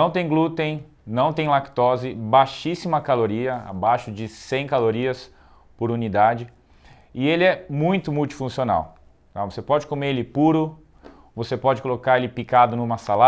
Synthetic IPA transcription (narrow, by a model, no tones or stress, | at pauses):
nɐ̃w̃t̪ẽj̃ɡlut̪ẽj̃ | nɐ̃w̃t̪ẽj̃lakt̪ɔzɪbajʃisimɐkaloɾiɐa̰bajʃʊd͡ʒɪsẽj̃kaloɾiɐs | poɾunid̪ad͡ʒɪ | ɪelɪɛmũj̃t̪ʊmuwt͡ʃi̥fũsiona̰w | t̪avosepɔd͡ʒɪkomeɾelɪpuɾʊ | vosepɔd͡ʒɪkolokaɾelɪpikad̪ʊnũmɐsala